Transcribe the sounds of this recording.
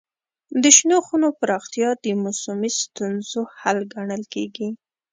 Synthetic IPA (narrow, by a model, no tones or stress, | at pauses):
d̪əʃnoxunopəɾɑxt̪ijɑd̪əmʊsumist̪unzohalɡaɳəlkeɡi